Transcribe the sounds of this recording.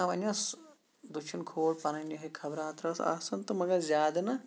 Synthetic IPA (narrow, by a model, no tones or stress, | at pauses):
ɐʋɐnɐs | d̪uʃʰinkʰoːɽpɐnɐnɐɦɐkʰɐbɾaːt̪ɾɐsa̰ːsɐnt̪umɐɡɐɾzʲjaːd̪ɐnɐ